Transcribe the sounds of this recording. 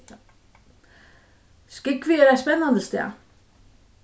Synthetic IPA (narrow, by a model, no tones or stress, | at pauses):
skɪkvɪɛɾæspɛnːant̪əst̪ɛa̰